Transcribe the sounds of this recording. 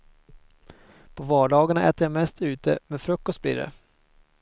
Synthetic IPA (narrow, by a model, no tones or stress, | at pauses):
pʰɔvɑːɖɑːɡaɳaʔɛ̰ːt̪əjamɛst̪ʉ̟ːt̪ə̰mɛnfɾɵkːɔst̪̚blḭːɖɛ̰